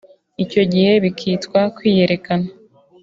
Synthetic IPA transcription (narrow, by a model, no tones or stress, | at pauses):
ico̞ɟihe̞βikʰiːtkwakwiːje̞ɾe̞kana